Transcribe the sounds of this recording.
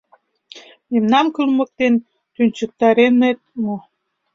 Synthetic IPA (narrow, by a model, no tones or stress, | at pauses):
memnɑmkylmək̚t̪en | t̪ynʲt͡ɕək̚t̪ɑɾenet̪̚mo